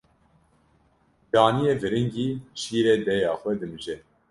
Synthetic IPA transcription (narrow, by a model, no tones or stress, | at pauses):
d̪̥ɑːnijeːvɨɾɨŋɡiːʃiːɾeːd̪ɛjɑːxʷɛd̪ɨmɨʒɛ